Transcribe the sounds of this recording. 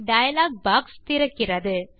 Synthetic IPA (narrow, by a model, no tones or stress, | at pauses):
ɖɐjɐlaːɡ̚baːkst̪ɪɾɐkːɪrɐðɯ